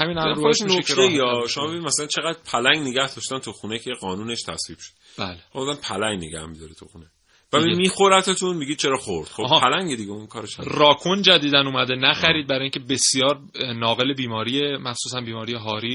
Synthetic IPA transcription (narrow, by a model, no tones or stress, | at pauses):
hæmiːnæoeʃnoekʰeɾeiɒʃo̞mɒbe̞inid̪mæsælænt͡ʃʰeɣæd̪pʰælæŋɡneɡæhd̪ɒːʃt̪ænt̪ʰuxunekʰejeɡɒːnuːneʃt̪ʰæ̰sviːb̥ʃo̥d̪ | b̥æːle̥omud̪ænpʰælæŋɡneɡæ̰hmid̪ɒɾet̪ʰuxuːne | væimiːxoɾæt̪ʰːɒt̪ʰunmiɡid̪̚t͡ʃʰeɾɒːxoɾd̪̥xoɦpʰːælæŋɡed̪iɟeunkʰɒːɾeʃærɒːkʰund͡ʒæd̪iːd̪ænuːmæd̪enæxæɾiːd̪̚bæɾɒːjĩŋcʰebe̞sijɒːɾ | nɒːɣe̞le̞biːmɒːɾiːjemæχsuːsænbiːmɒːɾijeɦɒːɾiː